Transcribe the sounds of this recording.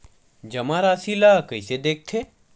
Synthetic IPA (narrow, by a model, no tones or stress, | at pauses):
d͡ʒɐmãɾaːsilakəised̪eːk̚t̪ʰeː